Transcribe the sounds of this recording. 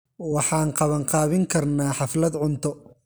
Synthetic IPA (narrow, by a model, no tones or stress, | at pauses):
wɑħɑːŋqɑβɐŋqɑːβɪŋkʰɐrnaːħɑflɐd̪ʕʊnt̪ʰɔ